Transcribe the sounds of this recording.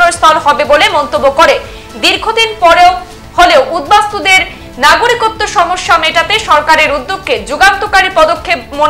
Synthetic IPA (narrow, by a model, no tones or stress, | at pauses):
noɾst̪ʰɔlɦɔbebolemɔnt̪obːokoɾe | d̪iɾɡʱod̪inpɔɾeo | holeoʔud̪̚bast̪od̪eɾ | naɡuɾikot̪ːoʃɔmoʃːameʈat̪eʃɔɾkaɾeɾud̪ːukʰːed͡ʑuɡant̪okaɾipɔd̪okʰːep̚mo